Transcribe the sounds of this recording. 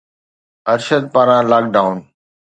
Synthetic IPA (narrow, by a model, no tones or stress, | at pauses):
əɾʃəd̪̚paːɾãːlaːk̚ɖaːʊn